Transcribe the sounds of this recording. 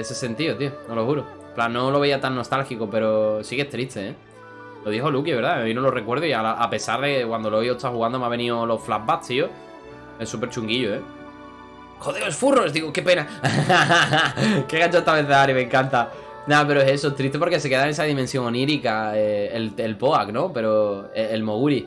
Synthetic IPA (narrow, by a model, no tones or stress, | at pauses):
esese̞nt̪iot̪ionolo̞huɾo | mplanːo̞loe̞iat̪anːo̞st̪alxikope̞ɾo̞sike̞ht̪ɾiht̪e̞e | loðiɦolukieβe̞ɾðainolore̞kwe̞ɾðoialaʔape̞saɾðekekwand̪oloiot̪ahuɣand̪omaβe̞nĩolo̞flambat̪io | esupeɾt͡ʃuŋɡiʎoe̞ | xoðeesfurosd̪iɣoke̞pe̞na | keɣat͡ʃoest̪aβeθeaɾimẽ̞ŋkant̪a | nape̞ɾoese̞soet̪ɾiht̪e̞p̬oɾke̞s̬e̞ke̞ðaenesaðimensjo̞ŋoniɾikaeelelpo̞akno̞pe̞ɾoeelmo̞ɣuɾi